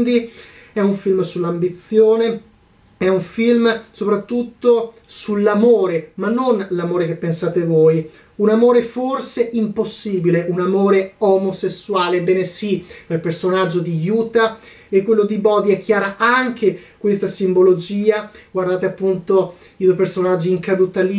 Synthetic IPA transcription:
d̪i | ɛuɱfilmsulːambit̪sːjoːne | ɛuɱfilmsopɾat̪ːut̪ːo | sulːamoːɾemanːonlamoːɾekepːensaːt̪evoːj | unamoːɾeforseʔimposːiːbileʔunamoːɾeomosesːuaːlebɛːnesipelpersonad͡ʒːod̪ijuːt̪a | ekːwelːod̪ibɔd̪iɛkʰːjaːɾaʔaŋk̟ekwest̪asimbolod͡ʒiːaɡward̪aːt̪eapːunt̪o | id̪woejpersonad͡ʒːiːŋkad̪ut̪ali

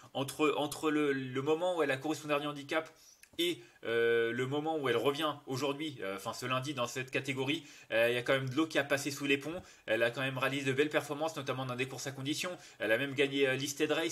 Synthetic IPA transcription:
ɑ̃t̪χəʔɑ̃t̪χələləmɔmɑ̃uɛlakɔʁɛspɔ̃d̪ɛ̃ʁd̪yɑ̃d̪ikap | eøləmɔmɑ̃uɛlʁəvjɛ̃oʒuʁd̪ɥiøɑ̃fɛ̃səlɛ̃d̪id̪ɑ̃sɛt̪kat̪eɡɔʁiljakɑ̃mɛmd̪əlokʲiapasesulepɔ̃ | ɛlakɑ̃mɛmʁealized̪əbɛlpɛʁfɔʁmɑ̃snɔt̪amɑ̃d̪ɛ̃d̪ekuʁsakɔ̃d̪isjɔ̃ | ɛlamɛmɡaɲeølist̪ed̪ʁɛj

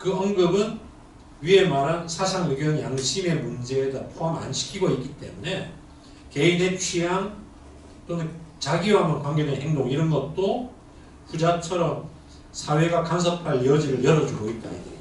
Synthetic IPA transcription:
kɯʌŋɡɯbɯn | ɥie̞maɾansʰasʰaŋɯɡjʌnjaŋɕʰime̞mund͡ʑe̞ːdapʰoɦama̰nɕʰi̥kʰiɡoitk͈it͈e̞̰mune̞ | ke̞inet͡ɕʰiɦan | t͈ont͡ɕaɡiwɦamjʌnkwaŋɡe̞dwe̞nɦe̞ŋdoŋiɾʌnɡʌt̚t͈o | ɸud͡ʑat͡ɕʰʌɾʌm | sʰawe̞ɡakans̬ʰʌpʰaʎiʌd͡ʑiɾɯɭjʌɾʌd͡ʑuɡoit̚t͈a̰nḭ

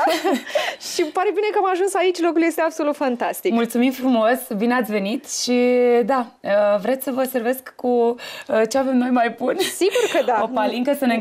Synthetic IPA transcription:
ʃipaɾe̞bine̞kəamaʒunsait͡ʃʲlo̞kulje̞st̪eab̥solut̪fant̪ast̪ikmult̪sumimfɾumosbineat̪sʲve̞nit̪ʃid̪aəvɾe̞t̪sʲsəvəose̞ɾve̞skːuət͡ʃeave̞mno̞jmajbunsiɡurkəd̪aopaliŋkəsəne

